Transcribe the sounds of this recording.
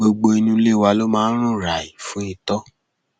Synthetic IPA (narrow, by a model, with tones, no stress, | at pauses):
o˧ɡ͡bo˧i˧nũ˧˦le˦˨wa˧lo˦mãː˦˧˦ɾ̃ũ˦˨ɾa˨i˨fũ˨˦i˧˨tɔ˦